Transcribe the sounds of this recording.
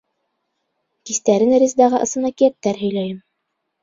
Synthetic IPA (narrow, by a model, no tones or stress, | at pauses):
kist̪æɾɘnɾʲizd̪ɑʁɤʔɤ̆sɤ̆nɑkijæp̚t̪æɾɦɵ̆jlæjɘm